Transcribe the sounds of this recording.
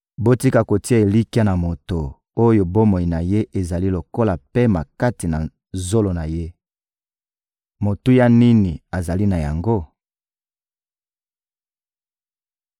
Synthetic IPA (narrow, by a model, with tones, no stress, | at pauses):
bo˦ti˦ka˨ko˨ti˦a˦˨e˨li˦ki˦a˦na˨mo˨to˨ | o˦jo˨bo˦mo˨i˨na˨je˦ʔe˨za˨li˦lo˨ko˦la˨pe˦ma˨ka˦ti˨na˨ | zo˦lo˨na˨je˦ | mo˨tu˦ja˦ni˦ni˨a˨za˨li˦na˨ja̰˨ŋɡo˦